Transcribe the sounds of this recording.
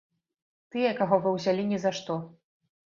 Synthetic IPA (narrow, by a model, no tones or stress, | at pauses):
t̪ɨjɛkaɣɔvɨwzʲalʲinʲɛzaʂt̪ɔ